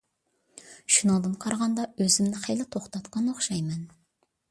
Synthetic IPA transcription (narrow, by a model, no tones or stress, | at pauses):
ʃynod̪ɨmqʰɑɾʁɑnd̪ɑøzɪmnɪχejlɪt̪ʰoχt̪ɑt̪qɑnoχʃɑjmɛn